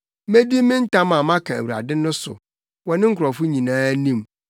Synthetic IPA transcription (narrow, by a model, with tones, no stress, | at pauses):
me˦di˦mɪ̃˦n̩˦tʰã˦mã˨mã˦kʰã˨æ˨wu˨ɾa̰˨dɪ˦nʊ̃˦sʊ̰˨ | wɔ˨nɪ̃˦ŋ̩˦kʰʊ˨ɾɔ˨fʊ˦ɲĩ˨nãː˦nĩ˦m